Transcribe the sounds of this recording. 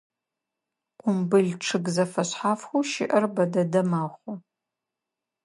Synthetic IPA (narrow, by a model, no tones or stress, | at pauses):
qʷʊmbɨɮʈ͡ʂʰɨɡzɐfɐɕħaːfxʷuʃɪ̰ʔɐrbɐdɐdɐmaːχʷʊ